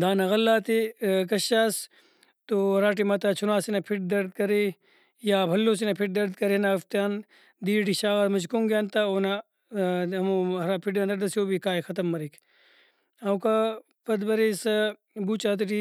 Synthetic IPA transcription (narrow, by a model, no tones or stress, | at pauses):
d̪aːnɐɣɐlːaːt̪ekɐʃaːs | t̪oɾaːʈ̬imɐt̪at͡ʃʰunaːsinɐpʰiʈ̚d̪ɐɾd̪̚kɐɾe | jaːbʱɐlːõːsinɐpʰiʈ̚d̪ɐɾd̪̚kɐɾenaɐft̪jaːn | d̪iːʈiʃaːɣɐɾmɐd͡ʒkuŋɡjaːnt̪aona | ɐmoɐɾaːpʰiʈãnd̪ɐɾd̪ɐsoːbikaːixɐt̪ɐmːɐɾikʰ | ɐwka | pɐd̪bɐɾesɐ | buːt͡ʃaːt̪̬iʈi